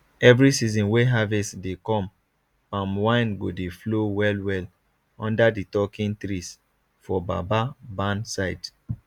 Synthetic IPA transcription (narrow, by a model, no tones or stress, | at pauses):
ɛvɹisizɔ̃nweɦavɛstdekɔ̃m | pãmwãɪ̃nɡodeflowɛlwɛl | ɔ̃ndaditɔkĩntɹis | fɔba̰babãnsaɪd